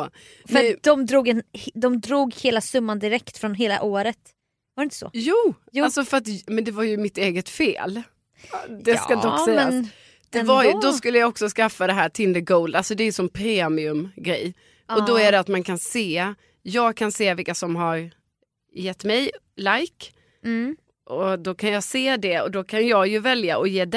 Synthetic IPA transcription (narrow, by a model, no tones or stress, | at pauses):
fəɾat̪d̪ɔmd̪ɾuːɡɛnhd̪ɔmd̪ɾuːɡheːlasɵmːand̪ɪɾɛkt̪fɾɔnɦeːla̰ʔoːɾət̪ | vaɾɪnt̪ə̥sɔ̰juː | alsɔfœɾat̪mɛnd̪ɛvaɾjɵmɪt̪eːɡət̪fḛːl | d̪ɛskad̪ɔsɛjn | d̪̥ɛvaɾd̪ɔskɵlːəjɑɔksɔskafːad̪ɛɦæːʈʰɪld̪əɡɔːld̪alsɔd̪ɛːjɵsɔmpʰɾeːmɪɵmɡɾɛj | ɔd̪ɔæɖɛat̪mankʰanseː | jɑːɡ̚kʰanseːvɪlkasɔmɦaɾ | jɛt̪ːmɛjlajk | ʔɔd̪ɔkʰanjɑːseːd̪ɛɔd̪ɔkʰanjɑːɡjɵvɛljaʔɔjeːd̪ɛ